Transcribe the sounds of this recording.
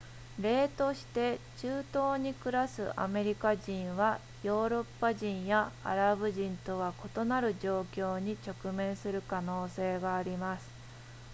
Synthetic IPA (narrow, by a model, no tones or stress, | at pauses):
ɾe̞ːt̪o̞ɕi̥t̪e̞t͡ɕɨːt̪o̞ːɲ̟ikɯ̟ɾasɨʔa̰me̞ɾʲikaʑĩɰ̃βa | jo̞ːɾo̞pːaʑĩɰ̃jaa̰ɾabɯ̟ʑĩnt̪o̞βako̞t̪o̞naɾɯ̟ʑo̞ːkʲo̞ːɲ̟it͡ɕo̞kɯ̟mẽ̞ɰ̃sɨɾɯ̟kano̞ːse̞ːɡaːɾʲimasɨ̥